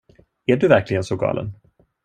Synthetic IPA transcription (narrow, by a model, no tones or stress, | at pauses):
æɖɵvæɾklɪɡənsɔɡɑ̰ːlʔə̰n